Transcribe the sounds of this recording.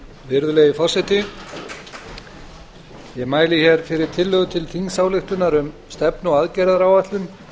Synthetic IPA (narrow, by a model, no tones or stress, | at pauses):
vɪɾðʏleːjɪfɔr̥sɛjt̪ɪ | jɛɣmaːjlɪçɛɾfɪɾɪɾ̥t̪ʰɪlːœɣʏt̪ʰɪlθiŋsawlɪxt̪ʏnaɾʏmst̪ɛpnɔɣaðcɛjɾaðɾawat̪lʏm